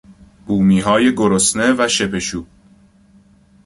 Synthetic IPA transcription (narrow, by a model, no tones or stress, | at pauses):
b̥uːmiːɦɒːje̞ɡoɾosne̞væʃe̞pʰe̞ʃuː